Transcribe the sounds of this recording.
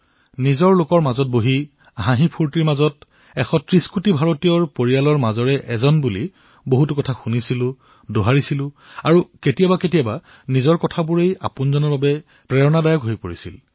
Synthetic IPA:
nizɔɹlokɔɹmazɔt̚boɦi | aɦãɦipʰuɹtiɹmazɔt | ɛxɔtɹiskutibʱaɹotijɔɹpoɹijalɔɹmazɔɹɛʔɛzɔnbuli | boɦutʊkɔtʰaxunisilʊ̃ | doɦaɹisilʊ̃ | aɹuketijabaketijaba | nizɔɹkɔtʰabuɹeja̰pʊnzɔnɔɹbabɛ | pɹɛɹɔnadajɔkɦojpoɹisḭl

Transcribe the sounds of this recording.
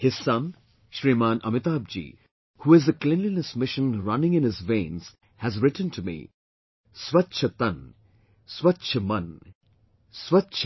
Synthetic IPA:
hɪz̥ːɐ̃m | ʃɾiːmãːnʔʌ̰mɪt̪aːb̚d͡ʒḭː | huːɪzəklɪ̃nlinəsmɪʃə̃nɹʌnɪ̃ŋɪ̃nɪzʋẽːnz̥ | hæzɾɪʈə̃n̩tʰumḭ | swɐtːʃʰət̪ɐ̃n | swɐtʃʰəmɐ̃n | swɐtt͡ʃʰ

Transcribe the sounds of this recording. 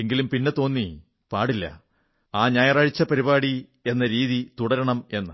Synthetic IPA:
eŋɡilumpinːet̪o̞ːnːi | paːɽilːɐ̰ | aːɲaːjɐraːɻit͡ɕːɐpɐɾibaːɽi | e̞nːɐɾiːðit̪uɽɐɾɐɳɐme̞nːɨ̰

